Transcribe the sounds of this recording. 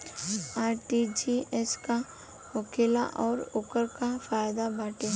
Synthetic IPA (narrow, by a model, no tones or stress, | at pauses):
aːɾʈid͡ʒiɛska | ʊkeːla̰ʔɔːɾʊkəɾkafaːjd̪abaːʈe